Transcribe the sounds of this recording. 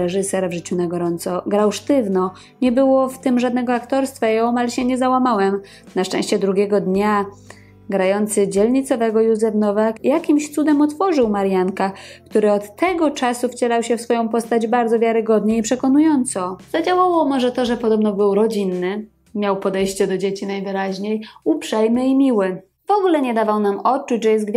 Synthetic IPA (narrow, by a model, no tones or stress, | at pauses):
ɾɛʐɘsɛɾvʐɘt͡ɕunaɡɔɾɔnt̪sɔɡɾawʂt̪ɘvnɔ | ɲɛbɘwɔft̪ɘmʐad̪nɛɡɔakt̪ɔɾst̪fajɛɔmalɛɕɛɲɛzawamawɛm | naʂt͡ʂɛ̃ɕt͡ɕɛd̪ɾuɡʲɛɡɔd̪ɲa | ɡɾajɔnt̪sɘd͡ʑɛlɲit̪sɔvɛɡɔjuzɛfnɔvakjakʲimɕt̪sud̪ɛmɔt̪fɔʐɘwmaɾjankakt̪uɾɘɔt̪ːɛɡɔt͡ʂasuft͡ɕɛlawɕɛfsfɔjɔ̃w̃pɔst̪ad͡ʑbaɾd̪zɔvʲjaɾɘɡɔd̪ɲɛipʂɛkɔnujɔnt̪sɔz̥ad͡ʑawawɔmɔʐɛt̪ɔʐɛpɔd̪ɔbnɔbɘwɾɔd͡ʑinːɘ | mʲjawpɔd̪ɛjɕt͡ɕɛd̪ɔd͡ʑet͡ɕinajvɘɾaʑɲejupʂɛjmɘimʲiwɘ | vɔɡulɛɲɛd̪avawnamɔt̪̚t͡ʂut͡ɕʐɛjɛz̚ɡvʲj